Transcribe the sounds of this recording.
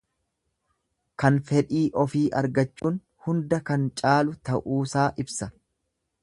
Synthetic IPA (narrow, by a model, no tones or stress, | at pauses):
kɐnfɛᶑiːʔɔfiːʔɐɾɡɐt͡ʃːuːn | hʊnd̪ɐkɐnt͡ʃʼaːlʊt̪ɐʔuːsaːʔɪbsɐ